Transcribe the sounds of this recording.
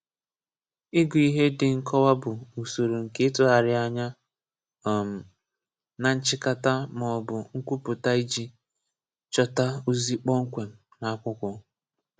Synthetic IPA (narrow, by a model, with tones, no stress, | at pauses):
ɪ˦ɡʊ˨i˦ɦe˦dɪ˨ŋ̩˨kʰɔ˦wa˦bʊ˨u˨so˨ɾo˨ŋ̩˨ke˦tʊ˦a˨ɾɪ˦a˦ɲa˦˨ | m̩˨ | na˨n̩˦t͡ʃɪ˦ka˦ta˦mɔ˨bʊ˨ŋ̩˦kʷu˦pʊ˨ta˦i˦d͡ʒi˦ | t͡ʃɔ˦ta˦u˦zi˦k͡pɔ˦ŋ̩˦kʷe˨m̩˨ | na˨a˦kʷʊ˦kʷɔ˨